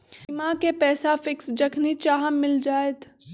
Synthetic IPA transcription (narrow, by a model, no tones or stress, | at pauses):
mãkepɛːsafɪksd͡ʒəkʰnit͡ʃaːɦamːɪld͡ʒaːet̪